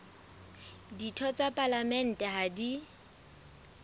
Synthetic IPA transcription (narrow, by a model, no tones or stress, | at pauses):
ditʰɔt͡sʼapʼalamɛn̩tʼɛɦadi